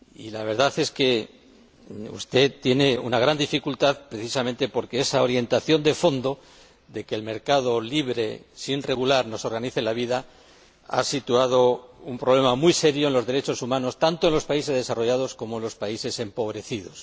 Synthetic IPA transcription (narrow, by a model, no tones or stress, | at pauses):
ḭlaβ̞e̞ɾðaθe̞ske̞ | ṵst̪e̞t̪ːje̞ne̞unaɣɾand̪ifikult̪aðpɾe̞θisamẽ̞nt̪e̞po̞ɾkeesao̞ɾje̞nt̪aθjo̞nd̪e̞fo̞nd̪o̞ | ðe̞keːlme̞ɾkað̞o̞liβ̞ɾe̞sinre̞ɣulaɾno̞soɾɣaniθelaβ̞iða | a̰sit̪uað̞o̞umpɾole̞mamujse̞ɾjoenlo̞zðe̞ɾe̞t͡ʃo̞sumãno̞st̪ant̪oe̞nlo̞spaise̞zðesaro̞ʝað̞osko̞moenlo̞spaise̞se̞mpo̞β̞ɾe̞θið̞o̞̰s